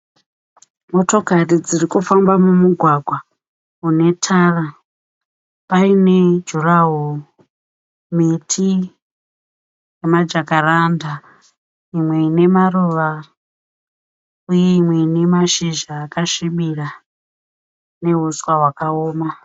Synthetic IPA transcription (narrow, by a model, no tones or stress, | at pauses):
mo̞to̞karid͡zirikufambamumuɡʱwaɡʱwa | une̞tʰara | paine̞d͡ʒuraɦo | mitʰi | jemad͡ʒakaranda | imwe̞ine̞maruʋa | uje̞imwe̞ine̞maʃiʒaːkaʃimira | ne̞ɦuswaɦwakaoːma